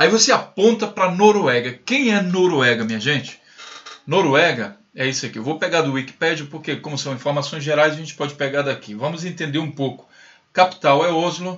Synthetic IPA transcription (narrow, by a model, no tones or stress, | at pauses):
aivoseapõnt̪ɐpɾɐnoɾuɛɡɐkẽj̃ɛnoɾuɛɡɐmĩɲɐʒẽt͡ʃɪ̥ | noɾwɛɡɐ | ɛisʊakiewvowpeɡad̪ʊiki̥pɛd͡ʒʊpoɾkekõmʊsɐ̃w̃ĩfoɾmasõj̃zʒeɾajzɐʒẽnt͡ʃɪ̥pɔd͡ʒɪ̥peɡaɾd̪akivɐ̃mʊzẽt̪ẽnd̪eɾũpokʊ̥ | kapi̥t̪awɛozlʊ